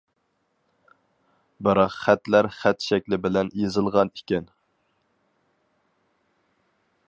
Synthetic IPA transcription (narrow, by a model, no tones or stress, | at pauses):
bɨɾɑqχæt̪læɾχæt̪ʃɛkʲlɪbɪlɛnjezɨlˠʁɑnikʲɛn